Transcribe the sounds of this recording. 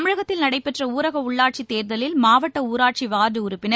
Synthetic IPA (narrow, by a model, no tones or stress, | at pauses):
mɪɻɐɣɐt̪ːɪlnɐɽɐɪpːɛʈrɐuːɾɐɣɐʊɭːaːʈ̚t͡ʃit̪ːeːɾðɐlɪlmaːʋɐʈːɐuːɾaːʈ̚t͡ʃiʋaːɾðɯʊɾʊpːɪnɐ